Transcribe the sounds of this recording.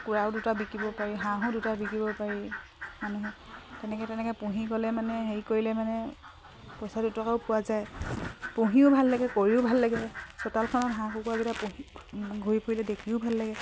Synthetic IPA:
kuɹaʊdutabikibɔpaɹiɦãɦɔ̃dutabikibɔpaɹimanuɦɔ | tɛnɛkɛtɛnɛkɔpũɦikɔlɛmanɛɦeɹikoɹilɛmanɛ | pɔjsadutɔkaʊpʊwazajpũɦiʊbʱalːaɡɛkoɹiʊbʱalːaɡɛsɔtalkʰɔnɔtɦãxukuaɡitapuɦiɡʱoipʰoɹilɛdekʰiʊbʱalːaɡɛ

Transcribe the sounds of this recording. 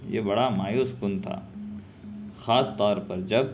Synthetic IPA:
jḛːbɐɽamaːjoːskʊnt̪ʰa̰ː | xaːst̪ɔːɾpɐɾd͡ʒɐb

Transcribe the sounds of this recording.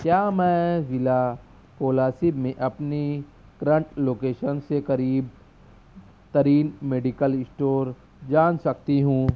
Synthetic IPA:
kjaːmɛ̃ːzɪla | koːlaːsibmẽʔɐpni | kɾə̃ɳʈloːkeːʃənsekɐɾiːb̚ | t̪ɐɾiːnmeːɖikəlɪsʈoːɾ | d͡ʒaːnsɐk̚t̪iɦũː

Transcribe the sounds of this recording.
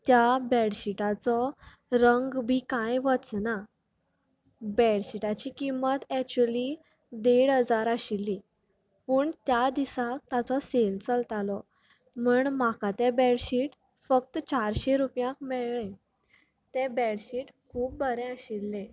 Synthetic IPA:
t̪jabɛɽɕiʈat͡sɔ | ɾəŋɡbʱikajʋət͡sna | bɛɽɕiʈat͡ɕikimːət̪ɛk̚t͡ɕuəli | d̪eɽɦəd͡zaɾaɕilːi | pəːɳt̪jad̪isak̚t̪at͡sɔselt͡səlt̪alɔ | məɳmakat̪ebɛɽɕiːʈ | fək̚t̪t͡ɕaɾɕeɾupjãkmɛɭɭẽ | t̪ɛ̃bɛɽɕiʈkʰuːp̚bʱəɾɛ̃əɕilːẽ

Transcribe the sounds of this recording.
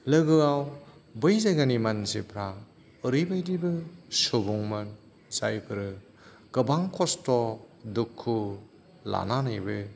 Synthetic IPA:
lɯɡɯawbɯjzaɡanimansipʰɾa | ɯɾɯjbajdibɯsubuŋmɯn | sajpʰɯɾɯ | ɡɯbaŋkʰɔstɔ | dukʰːu | la̰nanajbɯ

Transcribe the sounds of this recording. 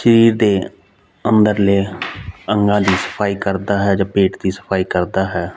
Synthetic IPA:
ʃəɾiːɾd̪eː | ənd̪əɾleːəŋɡãːd̪iːsə̥pʰaːiːkəɾd̪aːɦɛːd͡ʒãːpeːʈd̪iːsə̥pʰaːiːkəɾd̪aːɦɛː

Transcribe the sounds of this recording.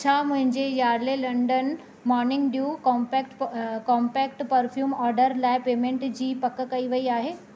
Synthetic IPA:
t͡ɕʰamʊ̃ɦɪ̃ɲd͡ʑejaːɾlelɐ̃ɳɖən | mɔːɾnɪ̃ŋɡɖjukpɛk̚ʈkɔ̃ːmpɛːk̚ʈpəɾfʰjuːmɔːɾɖəɾlaːɪpeːmẽɳʈd͡ʑiːpɐkəkɐiʋɐiaːɦeː

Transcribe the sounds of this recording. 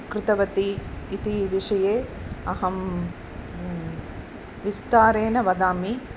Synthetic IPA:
kɾɪt̪ɐʋɐt̪iːt̪iʋiʂɐjeːɐɦɐm | ʋist̪aːɾeːnɐʋɐd̪aːmi

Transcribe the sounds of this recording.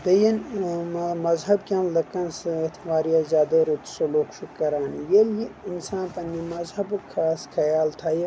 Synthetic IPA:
d̪ɐjɐn | mɐzɦɐbkʲɐ̃nlɐkɐnsɨt̪ʰʋaːɾjaːzʲjaːd̪ɐɾut̪sɐloːkʃukɐɾaːnijeljiinsãːnpɐnːimɐzɦɐbukʰːaːskʰɐjaːlt̪ʰaːje

